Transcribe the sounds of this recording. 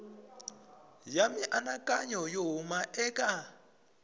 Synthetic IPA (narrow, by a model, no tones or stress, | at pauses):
jamiʔanakʼaɲɔjoɦumaʔɛkʼa